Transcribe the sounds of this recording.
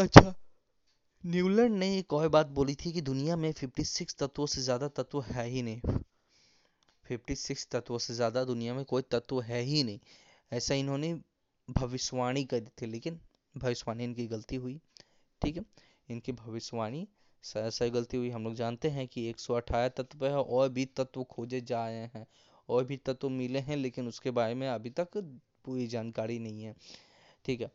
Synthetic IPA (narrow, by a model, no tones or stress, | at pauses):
ɐtːʃʰaː | njuːlɛ̃ːɳɖneeːkɔːibaːt̪̚boːlit̪ʰikid̪ʊnijamẽpʰɪpʈisɪkst̪ɐt̪wõsezjaːd̪at̪ɐt̪ʋoɦɛːɦinɐɦĩ | pʰɪpʈisɪkst̪ɐt̪wõsezjaːd̪ad̪ʊnijamẽkoːit̪ɐt̪woɦɛːɦinɐɦĩ | ɛːsaɪnɦõːne | bʱɐʋɪʃʋaːɽ̃ikɐd̪it̪ʰileːkɪn | bʱɐʋɪʃʋaːñiɪnkiɡɐlt̪iɦʊi | ʈʰiːkɦɛ | ɪnkibʱɐʋɪʃʋaːɽ̃i | sːsaɡɐlt̪iɦʊiɦɐ̃mloːɡd͡ʒaːnt̪eɦɛ̃kieːksɔɐʈʰaːet̪ɐt̪peɔːɾbʱit̪ɐt̪wokʰoːd͡ʒed͡ʒaːɾɐeɦɛ̃ | ɔːɾbʱit̪ɐt̪womɪleɦɛ̃leːkɪnʊskebaːɾemẽɐbʱit̪ɐk | puːɾid͡ʒaːnkaːɾinɐɦĩɦɛ̃ː | ʈʰiːkɦɛː